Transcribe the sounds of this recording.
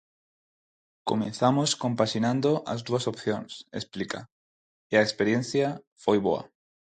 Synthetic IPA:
ko̰mẽnθamoskõmpaʃinãnd̪oʔa̰zðuasopθjõŋsḛsplika̰ | ɪaespeɾjẽn̟θja | fojβo̰a̰

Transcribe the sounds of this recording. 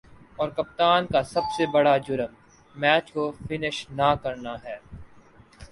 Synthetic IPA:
ɔːɾkɐp̚t̪aːnkasɐbsebɐɽad͡ʒʊɾəm | mɛːt͡ʃkofɪnɪʃnakɐɾnaɦɛː

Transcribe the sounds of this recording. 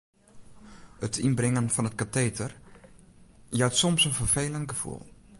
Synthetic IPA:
hətʰɪnbrɪŋənfɑnət̚katejtər | jœɥtsɔmsənfəɹfejləntɡəv̥ṵlˠ

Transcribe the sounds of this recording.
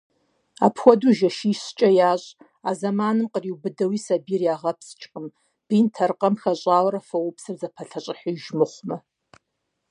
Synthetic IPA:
a̰ːpʰxʷɔduʒɐʃiːɕt͡ʃʼɐjaːɕʼ | aːzɐmaːnɨmqəriwbɨdɐwiːsɐbiːrjaːʁɐpʰst͡ʃʼqəm | b̥intʰɐrqɐmxɐɕʼaːwɾɐfɐwʊpsɨrzɐpʰɐɬʰɐɕʼɪħiʒmɨχʷmɐ

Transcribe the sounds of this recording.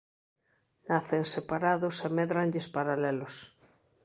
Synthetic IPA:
naθensepaɾaðʊsemɛðɾaɲʎɪspaɾalɛlʊs

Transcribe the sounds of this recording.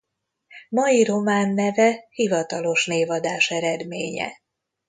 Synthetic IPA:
mɒjiɾo̞maːnːɛvɛhivɒt̪ɒlo̞ʃneːvɒd̪aːʃɛɾɛd̪meːɲɛ̰

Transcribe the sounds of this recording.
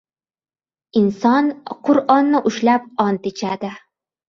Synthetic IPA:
insɒnqʰʊɾʔɒnːɪʔʊʃlæp̚ɒnt̪ɪt͡ʃʰad̪ɪ

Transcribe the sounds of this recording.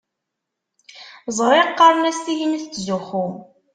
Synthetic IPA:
zˤɾˤɪqːɑɾˤnæst̪iɦinθt͡sːzuxu

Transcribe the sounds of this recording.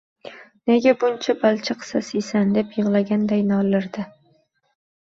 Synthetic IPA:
ne̞ɡʲabʊnt͡ʃʰabalˠt͡ʃʰaqsasisand̪e̞pjɨʁlˠaɡʲand̪ajnɒlːɪɾd̪ɪ

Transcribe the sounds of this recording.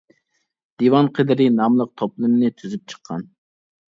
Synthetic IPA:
d̪̥iwɑnqʰəd̪ɪɾɪnɑmlˠəq̚t̪ʰoplˠɨmnɨt̪ʰyzyp̚t͡ʃʰə̥qʰːɑ̰n

